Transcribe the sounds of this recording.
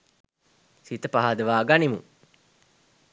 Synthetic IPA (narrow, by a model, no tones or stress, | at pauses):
sit̪əpaɦad̪əʋaːɡanimu